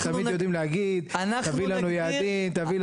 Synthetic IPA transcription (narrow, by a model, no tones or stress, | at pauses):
t̪amidjod̪imlehaɡid̪anat̪avilanujaːd̪imt̪avil